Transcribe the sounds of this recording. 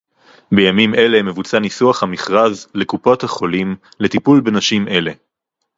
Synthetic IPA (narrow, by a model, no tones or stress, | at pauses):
be̞jamimʔe̞leme̞vut͡sanisuaχhamiχʁazlekupo̞thaχo̞lim | le̞t̪ipulbenaʃime̞le̞